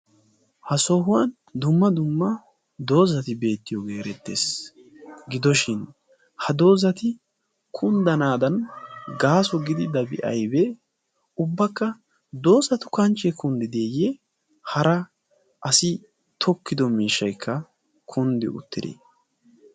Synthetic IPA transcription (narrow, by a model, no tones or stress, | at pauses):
hɐsɔɦʊwɐn | d̪ʊmːɐd̪ʊmːɐ | d̪o̞ːzɐt̪ɪbe̞ːt̪ːɪjoːɡe̞ːɾɛt̪ːe̞̰ːs | ɡɪd̪ɔʃɪn | hɐd̪o̞ːzɐt̪ɪ | kʰʊnd̪ɐnaːd̪ɐnɡaːsɔɡɪd̪ɪd̪ɐbɪ̰ʔɐ̰jbɛ | ʊbːɐkːɐ | d̪o̞ːzɐt̪ʊkɐnt͡ʃːɛkʊnd̪ɪd̪eːjɛ | hɐɾɐ | ʔɐsɪ | t̪ʰɔkːɪd̪ɔmiːʃːɐjkʰːɐ | kʰʊnd̪ɪ̰ʊ̰t̪ːɪd̪ḭ